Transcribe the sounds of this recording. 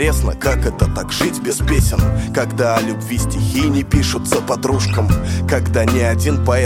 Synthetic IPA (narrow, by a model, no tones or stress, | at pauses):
esnə̰kakɛt̪ət̪akʐ̥ɨtʲbʲɪspʲesʲɪnkɐɡd̪aɐlʲʊbvʲisʲtʲɪxʲijnʲɪpʲiʂʊt̪səpɐd̪ɾuʂkəmkɐɡd̪anʲɪɐdʲinpɐɛ